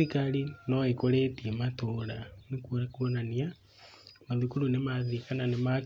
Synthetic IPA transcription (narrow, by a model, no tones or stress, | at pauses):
ikaɾinɔekoɾetiematoɾanekuoakuonania | maðukulunemaðikananema